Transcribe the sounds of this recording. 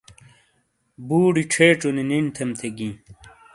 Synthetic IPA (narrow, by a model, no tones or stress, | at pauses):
buːɽiʈ͡ʂʰeːʈ͡ʂuninint̪ʰemt̪ʰeɡĩː